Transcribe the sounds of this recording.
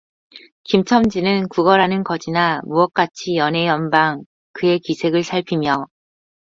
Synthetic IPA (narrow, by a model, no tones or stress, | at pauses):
kimt͡ɕʰʌmd͡ʑinɯnkuɡʌɾanɯnkʌd͡ʑinamuʌk̚k͈at͡ɕʰijʌnɦe̞jʌnbaŋ | kɯe̞kisʰe̞ɡɯɭsʰaɭpʰimjʌ